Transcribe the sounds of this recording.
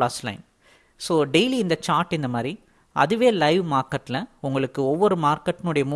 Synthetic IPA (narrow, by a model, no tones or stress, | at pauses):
ɭaːslɐ̰ɪn | soːɖeɪliɪnd̪ɐt͡ʃaːɾʈːɪnd̪ɐmaːd̪ɾi | ʔɐ̰ðɯʋeːlɐɪʋmaːɾkɐʈːlɐ̃ʊŋɡɐɭɯkːɯɔʋːɔɾɯmaːɾkɐʈːɪnɯɽɐjɐmu